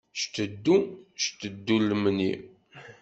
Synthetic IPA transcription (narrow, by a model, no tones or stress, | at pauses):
ʃt̪əd̪ːuʃt̪əd̪ːuləmnḭ